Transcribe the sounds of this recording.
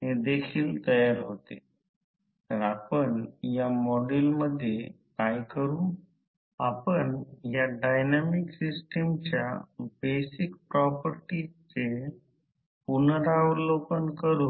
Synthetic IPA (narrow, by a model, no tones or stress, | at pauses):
ɦẽd̪ekʰiːlt̪əjaɾɦot̪ḛ | t̪əɾapəɳjamɔɖilməd̪ʱːjekajkəɾũː | apəɳjaɖajnamiksisʈəmt͡ɕja̰besikpɾɔpəɾʈit͡se | punəɾaʋɾlokənkəɾuː